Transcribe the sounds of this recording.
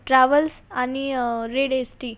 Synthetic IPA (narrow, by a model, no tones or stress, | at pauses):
ʈɾaʋəlsaniɾeɽesʈiː